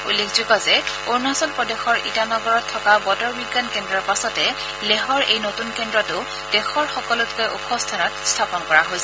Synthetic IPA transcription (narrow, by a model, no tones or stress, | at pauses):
ṵlːekʰzukɔzɛ | oɹnasɔlpɹɔdexɔɹʔitanɔɡɔɹɔtʰːɔkabɔtɔɹbiɡːankendɹɔɹpasɔtɛ | leɦɔɹejnotunkendɹɔtʊ | dɛxɔɹxɔkɔlʊtkojʔṵpɔstʰanɔtstʰapɔnkɔɹaɦojsɛ